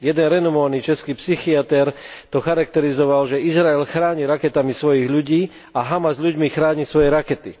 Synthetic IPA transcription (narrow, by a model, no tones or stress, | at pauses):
jɛd̪ɛnɾɛnɔmɔʋanit͡ʃɛskiːpsixiat̪ɛɾt̪ɔxaɾak̚t̪ɛɾizɔʋalʒɛizɾaɛlxɾaːɲiɾakɛt̪amisʋɔjiɣʎuɟiː | aɦamazʎuɟmixɾaːɲisʋɔjɛɾakɛt̪ḭ